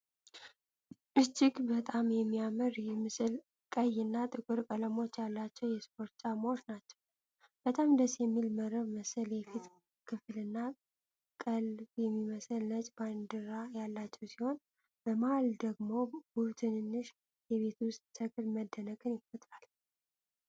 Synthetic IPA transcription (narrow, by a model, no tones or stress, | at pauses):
ʔɨt͡ʃːɪɡbət̪ʼamjɛmːiaməɾjɛmɨsɨl | kʼəjːɨnːat̪ʼɨkʼɨɾkʼələmo̞t͡ʃːjalːat͡ʃːɛwjɛspʰʼo̞ɾt̪̚t͡ʃʼamoʃnat͡ʃːɛ̥w | b̥ət̪ʼamd̪əsjɛmːilməɾəβməsəljɛfit̪ | kʰɨflɨnːa | kʼəlbjɛmːiməsəlnət͡ʃʼband̪ɨɾajalːat͡ʃːɛwsiho̞n | bəmaald̪əɡmo̞but̪ʰɨnnːɨʃ | jɛβe̞t̪ʰwʊst̪ʼsʰəkʼɨlməd̪ːənəkʼɨnjɪfət̪ʼɾal